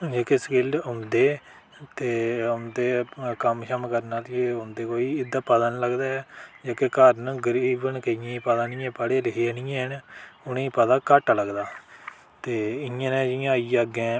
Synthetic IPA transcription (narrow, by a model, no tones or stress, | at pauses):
d͡ʒeːkeskɪlɖʊnd̪eː | t̪eːʊnd̪eːkəmʃəmkəɾnaːt̪eʊnd̪eːkoːiːɪd̪aːpəd̪nləɡd̪aːɛːd͡ʒaːkekəɾnɡəɾiːbənkəɪjãːipəd̪anɪjãːpəɽeːɾəɦenɪːẽːɦənʊnẽːpəd̪aːkəʈləɡd̪aː | t̪eːɪjãːnɛ̃ːd͡ʒɪjãːiːəɡɛ̃ː